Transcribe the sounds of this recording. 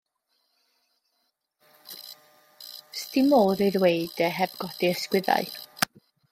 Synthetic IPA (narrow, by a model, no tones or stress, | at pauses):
stɪmoːðeðweɨdɛɦɛbɡɔd̥iəskwɪða̰ɨ